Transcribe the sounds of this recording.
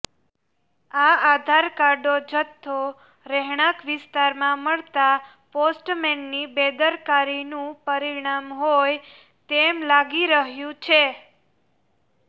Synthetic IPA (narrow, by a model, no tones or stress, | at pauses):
aad̪ʱaɾkaɾɖod͡ʒət̪ʰːo | ɾɛɦɳ̃akʋɪst̪aɾmãməɭt̪a | posʈmɛnːibed̪əɾkaɾinũpəɾiɽ̃amɦoj | t̪emlaɡiɾəɦjũt͡ʃʰe